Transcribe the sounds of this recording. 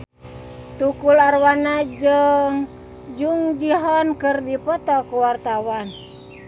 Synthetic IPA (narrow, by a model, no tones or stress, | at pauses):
t̪ukularwanad͡ʒɨŋ | d͡ʒuŋd͡ʒiɦɔnkɨrdipɔt̪ɔkuwart̪awan